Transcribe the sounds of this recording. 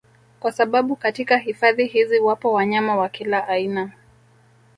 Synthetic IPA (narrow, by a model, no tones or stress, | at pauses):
kwasaɓaɓukatikaɦifaðiɦiziwapɔwaɲamawakilaʔaina